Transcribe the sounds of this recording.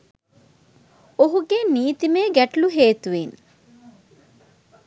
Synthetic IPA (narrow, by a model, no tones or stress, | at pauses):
oɦuɡeniːt̪imeːɡæʈluɦeːt̪uʋen